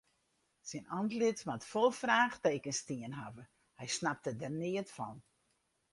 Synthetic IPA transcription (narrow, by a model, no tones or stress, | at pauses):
sɛnɔntlɪtmatfolˠfraːxteːkənstiənɦavə | hɛjsnap̚tədərnɪətfɔ̰n